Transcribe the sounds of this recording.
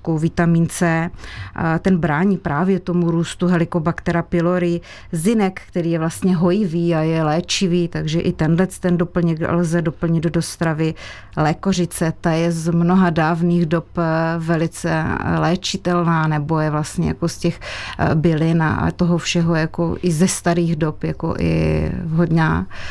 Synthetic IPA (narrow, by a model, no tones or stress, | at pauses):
kowvɪt̪amiːnt͡sɛ | t̪ɛnbɾaːɲiːpɾaːvjɛt̪o̞muɾuːst̪uɦɛlɪkobakt̪ɛɾapɪloɾɪ | zɪnɛkːkt̪ɛɾiːjɛvlast̪ɲɛɦo̞jɪviːajɛlɛːt͡ʃɪviːt̪aɡʒɛʔɪt̪ɛndlɛt͡st̪ɛndopl̩ɲɪlzɛdo̞pl̩ɲɪd̪dost̪ɾavɪ | lɛːkor̝ɪt͡sɛt̪ajɛzmnoɦadaːvniːɣdo̞pvɛlɪt͡sɛ̰lɛːt͡ʃɪt̪ɛlnaːnɛbo̞jɛvlast̪ɲɛ̰ja̰koscɛxbɪlɪna̰t̪oɦofʃɛɦojako̰ʔɪzɛst̪aɾiːɣdopja̰ko̰ʔɪ̰ɦod̪ɲa̰ː